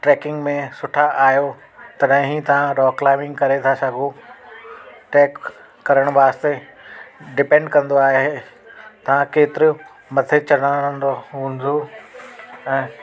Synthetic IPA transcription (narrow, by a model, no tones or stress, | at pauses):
ʈɾɛːkɪ̃ŋɡmẽsʊʈʰaʔaːɦjo | t̪ɐɗɦɪ̃ɦit̪ɐʋ̤ãɾɔːklaːɪmɪ̃ŋɡkɐɾet̪ʰasɐɡʱo | ʈɛːkː | ɐɾəɽ̃ʋaːst̪e | ɖɪpẽɳɖkɐ̃nd̪oaːɦe | t̪ɐʋ̤ãkeːt̪ɪɾɪ | mɐt̪ʰet͡ɕɐɽəɽ̃aə̃nd̪oɦũːnd̪o | ɛ̃ː